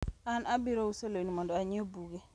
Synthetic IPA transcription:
anabiɾousolonimɔndɔaɲɪɔbuɡe

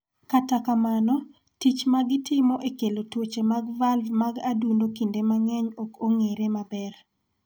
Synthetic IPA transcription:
katakamanɔ | tit͡ʃmaɡɪtɪmɔʔekelotwot͡ʃemaɡvalvmaɡadundokindemaŋɛɲokoŋeɾemabɛr

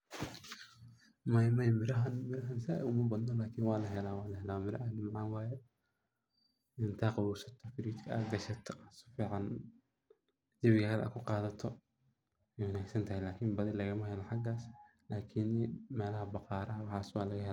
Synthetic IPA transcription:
mɐjmɐjmɪɾɐɦɐnmɪɾɐɦɐnsɪʔɛ̰jʊmɐbɐd̪nɔlaːkʰɪnwɑːlɐɦɛlaːwɑːlɐhɛlaːwmɪɾɐ̰hɐnmɑʕɑnwɑːjɛ | ɪnt̪ʰaqɑɾuːsɐt̪ʰɐfɪɾiːt̪kʰɐɐ̰ɡɐʃɐt̪ʰsfiːʕɑn | d̪ɪβkɐɐɾɐ̰kʰʊqɑːðɐt̪ʰɔ | ɛjwʊnaːɡsɐnt̪ʰɐhɛjlaːkʰɪnbɐðɪlɐɣɐmɐhɛlɐħɑɡaːs | laːkʰɪnmɛːlɐɦɐbɑqɑːɾɐɐwɑħɑːswaːlɐɣɐɦɛla

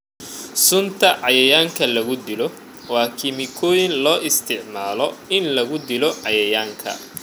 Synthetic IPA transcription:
sʊnt̪ʰɐʕɑjɐjaːŋkʰɐlɐɣʊd̪ɪlɔ | wɑːkʰɪmɪkʰɔːjɪnlɔːʔɪst̪ʰɪʕmaːlɔɪnlɐɣʊd̪ɪlɔʕɑjɐjaːŋkʰɐ̰

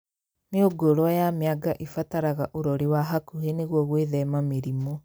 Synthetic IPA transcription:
neoɡoɾoɔjameaɡaʔifataɾaɣaʔoɾɔɾiwaɦakuheneɣwɔɣweðɛmameɾimɔ

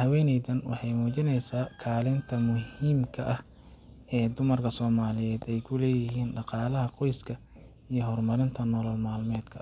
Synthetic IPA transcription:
hɐwɛːnɛjðɐnwɑ̰ħɑjmuːt͡ʃɪnɛjsaːkʰaːlɪnt̪ʰɐmʊhiːmkʰɐʔɐh | ɛːd̪ʊmɐrkʰɐsɔːmaːlɪjɛːd̪ɛjkʰʊlɛːjɪɦiːnɖɑqɑːlɐɦɐqɔjskʰɐ | ijɞɦɔrmɐɾɪnt̪ʰɐnɔlɐlmaːlmɛːd̪̥kʰɐ

